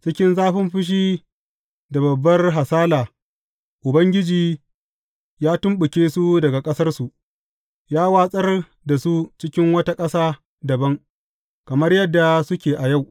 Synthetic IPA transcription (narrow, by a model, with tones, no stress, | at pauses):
t͡ʃɪ˦kʲɪ˦nzaː˦ɸɪ˦mɸɪ˦ʃ̬iː˦ | da˨bɐ˨bːɐ˦rɦa˨saː˦laː˨ | ʔʊ˨bɐ˦ŋɡʲɪ˦d͡ʒiː˨ | jaː˦tʊ˦mɓʊ˨kʲeː˦su˦dɐ˨ɡa˨kʼɐ˦sɐ˦rsu˨ʔ | jaː˦waː˦sʼɐ˦r | da˨su˦t͡ʃɪ˦kʲɪ˦ŋwɐ˦ta˦kʼɐ˦saː˦ | dɐ˨bɐ˦ŋ | kɐ˨mɐ˦rjɐ˦dːa˨sʊ˦kʲeː˨ʔa˨ja˦˨w